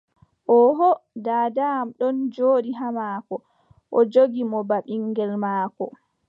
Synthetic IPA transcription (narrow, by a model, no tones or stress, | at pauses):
ʔɔɦɔdaːdamɗɔnd͡ʒoːɗiɦamaːkɔ | ʔɔd͡ʒoɡimɔbaɓiŋɡɛlmaːkɔ